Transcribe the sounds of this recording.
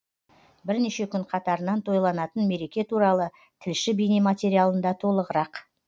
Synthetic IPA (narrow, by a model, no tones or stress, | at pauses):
bɪɾneʃe̞kʲʰʏɴqʰɑt̪ɑɾənɑnt̪ʰo̞jlˠɑnɑt̪ənme̞ɾe̞kʲe̞t̪ʰuɾɑlˠə | t̪ʰɪlʃɪbejnemat̪ʲe̞ɾijalˠənd̪ɑt̪ʰo̞lˠəʁəɾɑq